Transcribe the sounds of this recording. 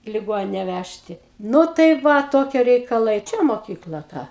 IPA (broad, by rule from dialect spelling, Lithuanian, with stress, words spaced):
ɪ lʲɪˈɡoːnʲɪnʲɛ ˈʋʲæʃʲtʲɪ ˈnʊ tɐɪ ˈʋɐ ˈtoːkʲiɛ rʲɛɪkɐˈlˠɐɪ ˈt͡ʃʲɛ moːˈkʲiːklˠɐ ˈtɐ